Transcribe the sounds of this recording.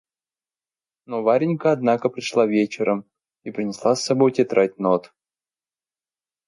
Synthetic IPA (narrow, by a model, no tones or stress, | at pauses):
novaɾʲɪnʲkəɐd̪nakəpɾʲɪʂlˠavʲet͡ɕɪɾəm | ipɾʲɪnʲɪslˠasːɐbojtʲɪt̪ɾʔat̚ʲnot̪